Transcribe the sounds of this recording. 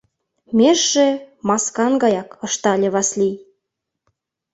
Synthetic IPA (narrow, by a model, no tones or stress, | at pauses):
meʒʒemɑskɑnɡɑjɑkɤ̆ʃt̪ɑlʲeβɑslʲi